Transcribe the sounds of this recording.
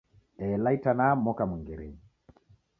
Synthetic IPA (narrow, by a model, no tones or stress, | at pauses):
ɛlaitanamɔkamuŋɡiɾi